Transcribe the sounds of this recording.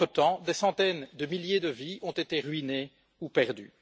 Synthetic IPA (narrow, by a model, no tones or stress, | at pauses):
ət̪ɑ̃d̪esɑ̃t̪ɛnd̪əmiljed̪əviɔ̃t̪et̪eʁɥine | upɛʁd̪y̰